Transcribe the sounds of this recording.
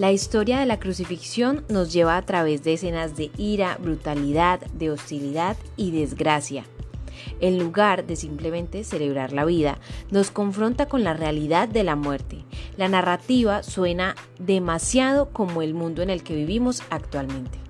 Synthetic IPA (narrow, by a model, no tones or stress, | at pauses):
laist̪o̞ɾjaðe̞lakɾusifiksjo̞nːo̞zd͡ʒe̞βaːt̪ɾaβe̞zd̪e̞ːse̞nazd̪e̞iɾabɾut̪aliðaðd̪e̞o̞st̪iliðaðiðe̞zɡɾasja̰ | e̞nːuɣaɾd̪e̞simple̞mẽ̞nt̪e̞se̞le̞βɾaɾlaβiða̰no̞sko̞ɱfɾo̞nt̪ako̞nlarealiðaðːe̞lamwe̞ɾt̪elanarat̪iβaswe̞na | ðe̞masjað̞o̞ko̞mo̞e̞lmũnd̪oene̞lke̞βiβimo̞sakt̪walmẽ̞nt̪e